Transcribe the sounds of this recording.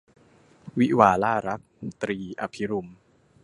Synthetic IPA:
wi˦˥ʔwaː˧laː˥˩ɾa˦˥k̚t̪ɾiː˧ʔa˧pʰi˦ɾu˧m

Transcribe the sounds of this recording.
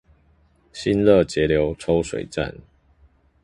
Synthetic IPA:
ɕi˦nlə˥˨t͡ɕjɛ˨˦ljo˨˦ʊʈ͡ʂʰo˥˦ʊʂwḛ˨ɪʈ͡ʂa̰˥˨n

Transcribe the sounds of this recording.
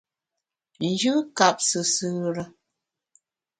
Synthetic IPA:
n̩˨d͡ʒɨ˦ka˨p̚sɨ˨sɨ˦ɾə˦

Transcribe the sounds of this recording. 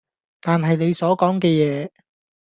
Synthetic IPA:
t̪aː˨nɦɐ˨jne˨˧jsɔː˨˥kɔː˨˥ŋkɛː˧jɛː˨˧

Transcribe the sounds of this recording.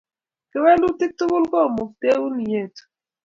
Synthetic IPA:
kɪ˦wɛ˦ndʊ˦tɪ˦k̚tʊ˦kʊ˦lkɔ˦˨mo˨k̚te˦u˦ni˨je˨t

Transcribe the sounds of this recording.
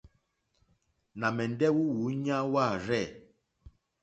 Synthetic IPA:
na˨mɛ˨n˦dɛ˦wu˦wu˨˦ɲã˦wa˦˨ɾɛ˦˨

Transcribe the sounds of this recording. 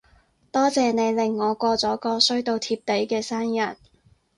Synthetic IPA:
t̪ɔː˥t͡sɛː˨˧ne˨˧jlɪ˨˩ŋːɔː˨˧kʷɔː˧t͡sɔː˨˥kɔː˧sɵ˥ɥt̪o˧wt̪ʰiː˧p̚t̪e˨˥jkɛː˧saː˥njɐ˨˩n

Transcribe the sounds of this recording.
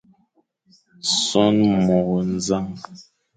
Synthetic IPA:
sɔ˦nmɔ˨ɣɔ˨n̩˦za˦ŋ

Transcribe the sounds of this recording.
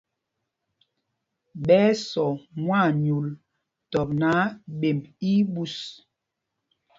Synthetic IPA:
ɓɛː˦sɔ˨mwa˦˨ɲu˨l | tɔ˨p̚na˨˦ɓe˨mbi˦ɓu˦s

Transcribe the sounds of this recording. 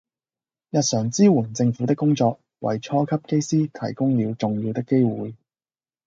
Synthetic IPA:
jɐ˨t̚sœː˨˩ŋt͡siː˥wuː˨˩nt͡sɪ˧ŋfuː˨˥t̪ɪ˥kːʊ˥ŋt͡sɔː˧k̚ | wɐ̰˨˩jt͡ʃʰɔː˥kʰɐ˥p̚ke˥jsiː˥t̪ʰɐ̰˨˩jkʊ˥ŋliː˨˧wt͡sʊ˨ŋjiː˧wt̪ɪ˥kːe˥jwuː˨˧j

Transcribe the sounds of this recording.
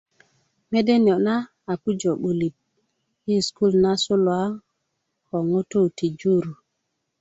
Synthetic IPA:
me˦de˦njo˨na˦ | a˨pu˦d͡ʒo˨ɓu˨li˨t̚ | i˦sku˦lna˦su˦lo˨a˦ | ko˨ŋo˦to˦˨ti˨d͡ʒu˦ɾu˨

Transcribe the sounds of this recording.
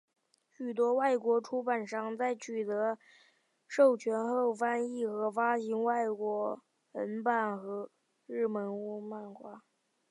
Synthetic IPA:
ɕy˨˩t̪̬wɔ˥wa˥˩ɪkwɔ˧˥ʈ͡ʂʰu˥ba˨˩nʂɑ˥˧ŋt͡sa˥˩ɪt͡ɕʰy˨˩t̪ɤ˧˥ | ʂo˥˩ʊt͡ɕʰɥɛ˧˥nxo˥˩ʊfa˥ni˥˩xɤ˧˥fa˥ɕi˧˥nwa˥˩ɪkwɔ˧˥ | ə˧˥npa˥˩nxɤ˧˥ | ɻɻ̩˥˩mə˧˥nu˥ma˥˩nxwa˥

